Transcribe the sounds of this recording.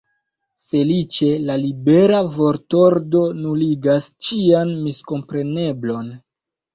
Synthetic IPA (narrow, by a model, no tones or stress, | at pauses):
fe̞lit͡ʃe̞lalibe̞ɾavo̞ɾto̞ɾdo̞nuliɡast͡ʃianmisko̞mpɾe̞ne̞blo̞n